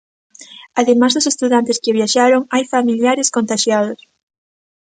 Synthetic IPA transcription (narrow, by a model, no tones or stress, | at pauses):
aðemazðʊsest̪uðant̪ɪskɪβjaʃaɾoŋajfamiljaɾɪskont̪aʃjaðʊs